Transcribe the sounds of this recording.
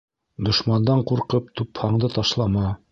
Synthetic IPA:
d̪ŏʃmɑnd̪ɑɴquɾqɤp̚t̪ʉphɑɴd̪ɤt̪ɑʃlˠɑmɑ

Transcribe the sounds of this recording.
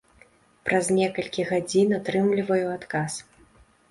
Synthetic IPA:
pɾʔazʲnʲɛkɐlʲkʲiɣad͡zʲinat̪ɾɨmlʲivɐjuat̪kas

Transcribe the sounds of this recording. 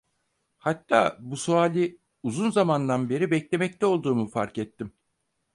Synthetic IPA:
hat̪ʰːa̰ːbusuaːlʲi | uzunzamand̪anbe̞ɾibɛclʲe̞mɛc̚t̪ʰɛo̞lˠd̪uːmufaɾkɛt̪ːim

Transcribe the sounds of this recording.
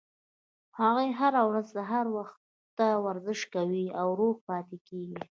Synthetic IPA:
haɣəjɦaɾawɾazd̪aɦaɾwax | t̪ːawaɾzəʃkawiawɾoɣpɑt̪ekeɡi

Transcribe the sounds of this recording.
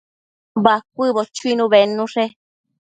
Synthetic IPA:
bak̚ʷɨβot͡ʃuinũβenũʂe

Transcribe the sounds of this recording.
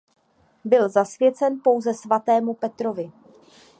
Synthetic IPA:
bɪlzasvjɛt͡sɛnpo̞wzɛsvat̪ɛːmupɛt̪ɾo̞vɪ

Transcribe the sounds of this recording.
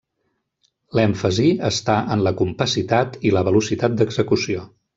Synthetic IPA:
lɛɱfəziəst̪aʔənləkumpəsit̪at̪iləβəlusit̪at̪̚d̪əɡzəkusio

